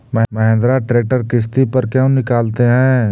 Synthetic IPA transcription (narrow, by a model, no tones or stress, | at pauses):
mɐɦmɐɦẽːnd̪ɾaʈɾeːk̚ʈəɾkɪs̬t̪ipɐɾkjɛ̃nɪkaːlt̪eɦɛ̃ː